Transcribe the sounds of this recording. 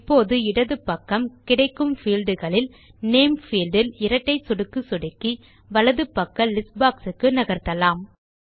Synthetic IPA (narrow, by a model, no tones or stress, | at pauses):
pːoːðɯɪɽɐðɯpːɐkːɐmkɪɽɐɪkːɯmfiːlɖɯɣɐɭɪl | neːmfiːlɖɪlɪɾɐʈːɐɪsʊɽɯkːɯsʊɽɪkːi | ʋɐlɐðɯpːɐkːɐlɪsbaːksɯkːɯnɐɣɐɾt̪ɐlaːm